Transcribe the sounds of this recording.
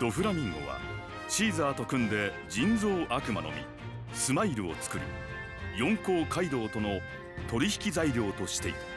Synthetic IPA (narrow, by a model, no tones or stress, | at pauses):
d̪̥o̞ɸɯ̟ɾamʲĩɰo̰βa̰ | ɕiːzaːt̪o̞kɯ̟̃nd̪e̞ | d͡ʑĩnd͡zo̞ːʔakɯ̟ma̰no̞̰mʲḭ | sɨmaiɾɯ̟o̰t͡sɨ̥kɯ̟ɾɯ̟̰ | jõ̞ŋko̞ːkaid̪o̞ːt̪o̞no̞ | t̪o̞ɾʲiçi̥kʲizaiɾʲo̞ːt̪o̞ɕi̥t̪e̞ḭt̪